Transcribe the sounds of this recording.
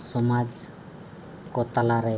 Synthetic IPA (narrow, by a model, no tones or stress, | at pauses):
sɔmad͡ʒ | kot̪alaɾe